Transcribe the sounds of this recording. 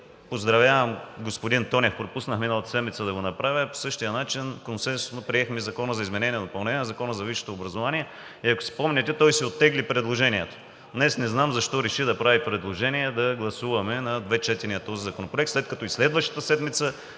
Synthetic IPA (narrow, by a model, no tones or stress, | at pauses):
pozd̪ɾɐvʲjavɐmɡospod̪int̪ɔnʲjəfpɾopusnəxminəlˠɐt̪ə̥sɛd̪mit̪səd̪ɐɡonɐpɾavʲjəpo̥sɤʃt̪ijənat͡ʃinkonsɛnsʊ̥snopɾiɛxmizɐkɔnəzɐizmɛnɛniɛd̪opɐlˠnɛnʲiɛnzɐkɔnəzɐviʃo̥t̪oːbɾɐzovaniɛ | iɐkʊ̥si̥pɔmnʲɛt̪ɛt̪ɔjsiot̪ːɛɡlipɾɛd̪lˠoʒɛniɛt̪o̥ | d̪nɛsnɛznamzɐʃt̪ɔɾɛʃid̪ɐpɾavipɾɛd̪lˠoʒɛniɛd̪ɐɡlˠɐsuvɐmɛnɐd̪vɛt͡ʃɛt̪ɛɾnijət̪ɔzizɐkonopɾoɛkt̪slɛt̪̚kɐt̪ɔislɛd̪vɐʃt̪ə̥t̪əsɛd̪mit̪sə